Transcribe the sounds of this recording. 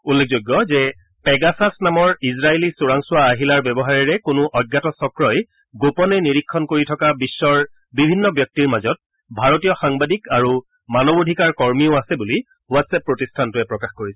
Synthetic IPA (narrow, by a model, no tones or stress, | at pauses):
ulːek̚ʰzojɡːɔzɛ | pɛɡasasnamɔɹizɹaelisuɹaŋsʊwaːɦilaɹbɛbɔɦaɹɛɹɛkʊnʊʔɔɡːatɔsɔkɹɔj | ɡopɔnɛniɹikʰːɔnkoɹitʰɔkabisːɔɹ | bibʱinːɔbjɔk̚tiɹmazɔt̚ | bʱaɹotijɔxaŋbadikaɹu | manɔbodʱikaɹkɔɹmiʊasɛbuli | watsɛpːɹotistʰantʊɛpɹɔkaxkoɹisɛ